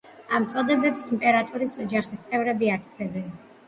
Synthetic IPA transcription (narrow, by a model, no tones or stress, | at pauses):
amt̪sʼɔd̪ɛbɛpsimpʼɛɾat̪ʼuɾisɔd͡ʒaχist̪sʼɛvɾɛbiat̪ʰvɛbɛn